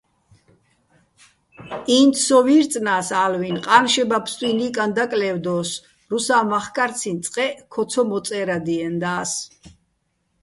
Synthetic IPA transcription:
iːnt̪ʰsɔviɾt̪t͡s̪ʼnaːsaːlvinqʼanʃɛbapʰst̪ʼwinikʼand̪akʼlɛvd̪ɔːs | ɾusaːmaχkʼaɾt̪t͡sʰint̪sʼqʼɛkʰɔt̪sʰɔmɔt̪sʼɛːɾad̪iɛnd̪aːs

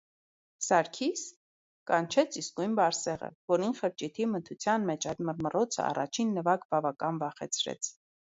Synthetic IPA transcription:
sɑɾkʰis | kɑnt͡ʃʰɛt͡sʰiskujnbɑɾsɛʁə̰vɔɾinχəɾt͡ʃit̪ʰimət̪ʰut͡sʰjɑnmɛt͡ʃʰɑjt̪məɾmərɔt͡sʰə̰ɑ̰rɑ̰t͡ʃʰinːəvɑkbɑvɑkɑnvɑχɛ̰t͡sʰɾɛ̰t͡sʰ

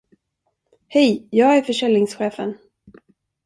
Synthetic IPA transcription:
hɛjjɑːɡæɾfœʂɛlɪŋsɧeːfə̰n

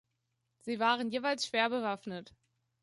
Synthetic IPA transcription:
z̥iːvaːʁənjeːvaɪlsʃv̥eːɐbəvafnət

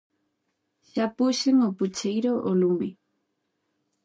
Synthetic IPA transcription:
ʃapuʃeŋoput͡ʃejɾoʔolumbi

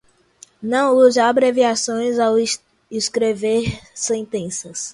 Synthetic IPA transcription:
nɐ̃w̃uzɐabɾeviasõj̃zaw | iskɾeveɾsẽnt̪ẽsɐs

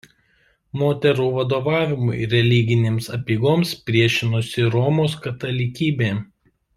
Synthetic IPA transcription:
moːt̪ʲɛɾuːʋɐd̪oːʋɑːʋʲɪmʊɪɾʲɛlʲiɡʲɪnʲeːmsɐpʲiːɡoːmspʲɾʲiɛʃʲɪnʊsʲɪɾɔːmoːskɐt̪ɐlʲɪkʲiːbʲeː

